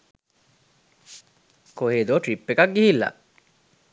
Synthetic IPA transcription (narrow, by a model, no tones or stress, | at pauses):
koɦeːd̪oːʈɾipːekɐkɡihilːɐ̰ʔ